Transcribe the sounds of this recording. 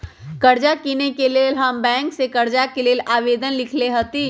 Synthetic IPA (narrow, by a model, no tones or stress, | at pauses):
kəɾd͡ʒakiːnekeleːlɦəmbɛ̃ːŋksekəɾd͡ʒakeleːlaːʋeːd̪ənlɪkʰleɦət̪i